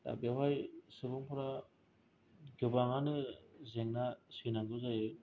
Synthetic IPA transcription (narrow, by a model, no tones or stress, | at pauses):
ta̰biaɦajsɯbɯŋpʰɯɾa | ɡɯbaŋanɯzeŋnasinaɡɯzajɯ